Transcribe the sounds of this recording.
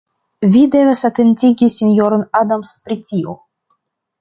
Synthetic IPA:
vʲid̪e̞vasat̪entʲiɡʲisʲinʲjoɾonad̪amspɾitʲio

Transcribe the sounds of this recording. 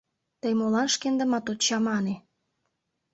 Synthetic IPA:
t̪əjmolɑnʃkend̪ə̆mɑt̪ot̪t͡ɕɑmɑne

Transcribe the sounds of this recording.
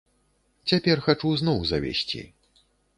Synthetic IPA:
t͡sʲapʲɛrxat͡ʂuznɔwzɐvʲḛsʲt͡sʲḭ

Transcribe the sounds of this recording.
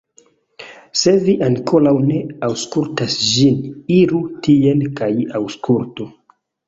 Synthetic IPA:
se̞viʔaŋkʰolawne̞awskultasd͡ʒiniɾutʰienkajawskʰultu

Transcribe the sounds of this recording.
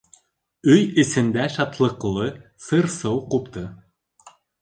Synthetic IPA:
yjɘ̆sɘ̆nd̪æʃɑt̪lˠɤ̆qlˠɤsɯrsɤwqupt̪ɤ̆

